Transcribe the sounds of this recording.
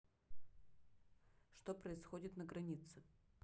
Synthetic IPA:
ʂt̪opɾəɪsxodʲɪt̪nəɡɾɐnʲit̪sɨ

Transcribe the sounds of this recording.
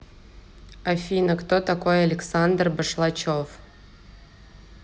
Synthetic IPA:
ɐfʲinəkt̪ot̪akojɐlʲɪksand̪rbəʂlˠat͡ɕof

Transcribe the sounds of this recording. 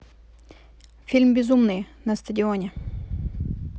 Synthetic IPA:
fʲilʲmbʲɪzumnɨj | nɐst̪ədʲɪonʲɛ

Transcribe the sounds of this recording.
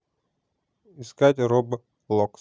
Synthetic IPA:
ɪskatʲɾobɨ | lˠok

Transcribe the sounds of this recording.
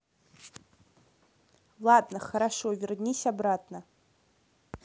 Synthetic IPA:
lˠadnəχɐɾaʂovʲɪrnʲisʲabrat̚ʰnə

